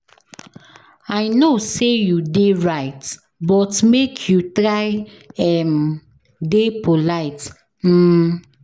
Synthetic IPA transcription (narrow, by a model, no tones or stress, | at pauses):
aɪnosejudeɹaɪt | bɔtmekʰjutɹaɪ | ɛm | depolaɪt | m̩